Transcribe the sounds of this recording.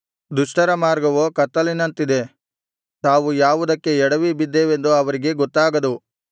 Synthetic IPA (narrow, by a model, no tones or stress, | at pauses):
d̪uʂʈɐɾɐmaːɾɡɐʋoːkɐt̪ːɐlinːɐnt̪id̪e̞ | t̪aːʋujaːʋud̪ɐkːe̞ɛɽɐʋibid̪ːeːʋend̪uɐʋɐɾiɡe̞ɡɔt̪ːaːɡɐd̪u